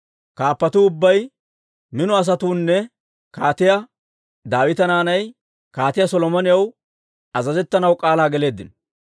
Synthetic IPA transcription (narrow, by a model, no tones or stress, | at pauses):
kaːpːɐt̪uʊbːɐj | mɪnʊɐs̬ɐt̪uːnːɛ | kaːt̪ɪjɐ | d̪aːwɪt̪ɐnaːnɐj | kaːt̪ɪjasɔlɔmɔnɪjɐw | ɐzɐzɛt̪ːɐnɐwkʼaːlaːɡɛle̞ːd̪ːɪn